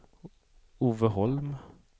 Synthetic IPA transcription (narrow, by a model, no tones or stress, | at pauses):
uːvəɦɔlm